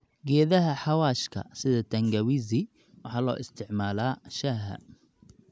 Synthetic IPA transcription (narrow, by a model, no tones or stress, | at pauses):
ɡɛːðɐɦɐħɑwaːʃkʰɐ̰sɪðɐt̪ʰɐŋɡɐwizɪ | wɑħɑːlɔ̰ːʔɪst̪ʰɪʕmaːlaːʃaɦɐ̰